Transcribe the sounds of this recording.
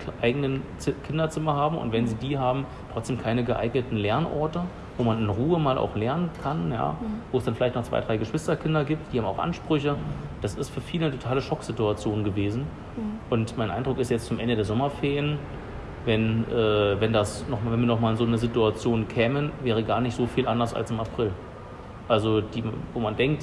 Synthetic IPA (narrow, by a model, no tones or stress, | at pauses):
ʔaɪɡənən | ɪkʰɪndɐt͡sɪmɐhaːbm̩ʔʊ̰ntv̥ɛnziːdiːɦaːbm̩ | tʁ̥ɔt͡sd̥eːmkʰaɪnəɡəʔa̰ɪɡnətn̩lɛɐnʔɔɐtə | voːmanɪnʁuːəmaːlʔa̰ʊxlɛɐnənkʰanja̰ːvoːɛsd̥anfɪlaɪtnɔχt͡sv̥a̰ɪdʁaɪɡəʃv̥ɪstɐkʰɪndɐɡiːp̚t̚d̥iːhaːbmaʊxʔa̰nʃpʁ̥ʏçəd̥asɪstfyːɐfiːlənətʰotʰaːləʃɔkz̥ɪtuat͡sjoːnɡəveːzn̩ | ʔʊntmaɪnʔaɪndʁʊkɪsjɛt͡st͡sʊmʔɛndədeːɐzɔmɐfɛːɐjən | vɛnʔɛːvɛndasnɔχmvɛnviːɐnɔχmaːlɪnzoːnəzɪtuat͡sjoːnnkʰɛːmənvɛːʁ̞əɡaːɐnɪçtz̥oːfiːlʔandɐsa̰lsɪmapʁ̥ɪl | ʔalzod̥iːvoːmandɛŋk̚t